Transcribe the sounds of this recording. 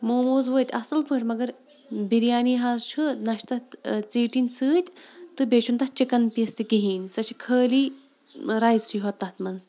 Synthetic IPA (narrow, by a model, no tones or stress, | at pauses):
moːmoːzʋəːt̪ʲɐsɐlpʰɨːʈʲmɐɡɐɾ | biɾjaːniːɦaːzt͡ʃʰunɐʃt̪ɐt͡siːʈinsɨːt̪ʲt̪ɨbeːt͡ʃʰunt̪ɐht͡ʃikɐnpiːst̪ikiɦiːnʲsɐt͡ʃʰikʰəːliː | ɾaːjzsʰujɦot̪ːɐt̪mɐnz